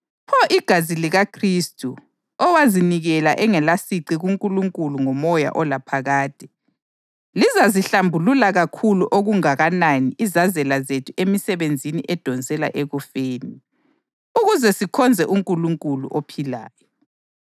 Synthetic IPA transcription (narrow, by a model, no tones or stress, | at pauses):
pʰɔʔiɡ̥ʱaziliɣakʰristʼu | ɔwaziniɣɛlaʔɛŋɛlasiǀiɣuŋkʼuluŋkʼuluŋɔmɔja̰ʔɔlapʰaɣaːd̥ʱʼɛ̥ | lizaziɬambʱululaɣakʰuluʔoɣuŋaɣananiʔizazɛlazetʰuemisɛβend͡zʱiniʔɛd̥ʱɔnd͡zʱɛla̰ʔeɣufeːni | uɣuzɛsikʰɔnd͡zʱɛʔuŋkʼuluŋkʼulṵʔopʰila̰ːjɔ